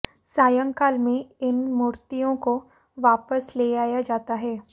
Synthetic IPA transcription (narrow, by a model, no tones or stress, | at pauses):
saːjə̃ŋkaːlmẽɪnmuːɾt̪ijõko | ʋaːpəsleaːjad͡ʒaːt̪aɦɛː